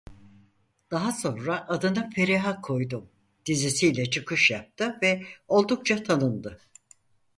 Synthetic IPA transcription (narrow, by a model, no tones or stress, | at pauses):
d̪̥aɦaso̞nɾaʔːd̪ɯnɯfeɾeɦakʰo̞jd̪um | d̪̥izisijlʲɛt͡ʃʰɯkɯʃjap̚t̪ʰɯvɛo̞lˠd̪uk̚t͡ʃʰat̪ʰanɯnd̪ɯ